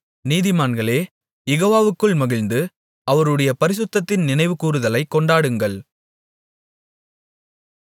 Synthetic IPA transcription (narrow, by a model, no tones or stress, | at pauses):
niːðɪmaːnɡɐɭeː | jɛɣoːʋaːʋɯkːɯɭmɐɣɪɻnd̪ɯ | ɐʋɐɾɯɽɐjɐpɐɾɪsɯt̪ːɐt̪ːɪnnɪnɐɪʋɯkuːɾɯðɐlɐɪkːɔɳɖaːɽɯŋɡɐɭ